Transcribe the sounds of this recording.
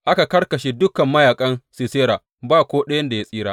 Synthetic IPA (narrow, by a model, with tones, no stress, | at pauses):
ʔa˦ka˨kɐ˦rkɐ˨ʃeː˨dʊ˦kɐ˨mːɐ˦jaː˨kʼɐ˦nsi˨seː˦ɾaː˨ | baː˦˨kʷoː˦ɗɐ˦jɐ˦nda˨ja˦sʼiː˦ɾaː˦ʔ